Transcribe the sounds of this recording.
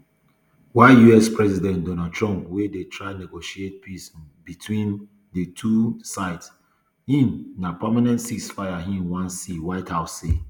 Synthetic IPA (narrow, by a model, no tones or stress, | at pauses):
waɪjuɛspʰɹɛzidɛ̃ntdɔ̃natʰɹɔ̃mpwedetʰɹaɪnɛɡoʃiet̚pʰisbitʰwĩn | dətʰusaɪts | hĩnnapamanɛ̃ntsisfaɪaɦĩmwãnsiwaɪthaʊsːe